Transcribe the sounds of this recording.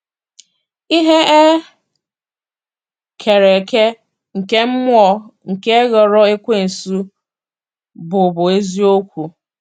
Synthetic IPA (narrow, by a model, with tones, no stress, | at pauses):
i˦ɦe˦e˦ | kʰe˨ɾe˨ke˦ | ŋ̩˨ke˦m̩˦mʊ˦ɔ˦ŋ̩˨ke˦ɣɔ˨ɾɔ˦e˦kʷe˦n̩˨su˦ | bʊ˨bʊ˨e˦zi˦o˦kʷu˨